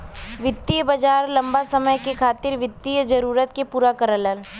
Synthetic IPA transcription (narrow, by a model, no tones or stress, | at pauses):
ʋɪd̪ijəbɐd͡ʒaːɾlɐ̃mbasɐməjkekʰaːt̪ɪɾʋɪd̪ijəd͡ʒɐɾuːɾət̪kepuːɾakəɾələn